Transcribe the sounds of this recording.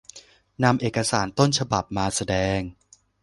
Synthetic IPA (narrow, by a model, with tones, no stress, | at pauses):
na˧mʔeː˨˩kːa˧saː˩˦nt̪o˥˩nt͡ɕʰa˧ba˨˩p̚maː˧sa˧dɛː˧ŋ